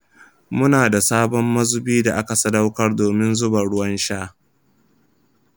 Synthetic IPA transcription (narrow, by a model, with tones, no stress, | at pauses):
mʊ˦naː˨da˨saː˦bɔ˦mːɐ˦zʊ˦biː˦da˨ʔa˦ka˨sɐ˦da˦wkɐ˦rdoː˨mɪ˦nzʊ˦ba˨ɽʊ˦wɐ˦nʃaː˦